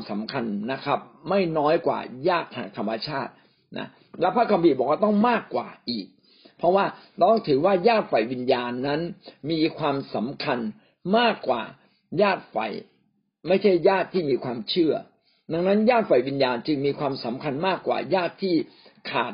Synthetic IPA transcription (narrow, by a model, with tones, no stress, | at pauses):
sa˩˦mkʰa˧nːa˦˥kʰa˦˥p̚ma˥˩jnɔː˦˥jkwa̰ː˨˩jaː˥˩t̪ʰːaː˧˩ŋt̪ʰa˧mːa˧t͡ɕʰaː˥˩t̪̚ | na̰˦˥ | lɛː˦˥pʰaː˦˥kʰa˧mpʰiː˧˩bɔː˨˩k̚waː˥˩t̪ɔ˥˩ŋmaː˥˩kːwa̰ː˨˩ʔiː˨˩k̚ | pʰɾɔ˦˥waː˥˩lɔː˦˥ŋt̪ʰɯː˩˦waː˥˩jaː˥˩t̪̚fa˨˩jwi˧njaː˧nːa˦˥nmiː˧kʰwaː˧msa˩˦mkʰa˧n | maː˥˩kːwa̰ː˨˩ | jaː˥˩t̪̚fa̰˨˩j | ma˥˩jt͡ɕʰa˥˩jːaː˥˩t̪ʰːiː˥˩miː˧kʰwaː˧mt͡ɕʰɯ˥˩ɐ | da˧ŋna˦˥njaː˥˩t̪̚fa˨˩jwi˧njaː˧nt͡ɕɯ˧ŋmiː˧kʰwaː˧msa˩˦mkʰa˧nmaː˥˩kːwa̰ː˨˩jaː˥˩t̪ʰːiː˥˩ | kʰa̰ː˨˩t̪̚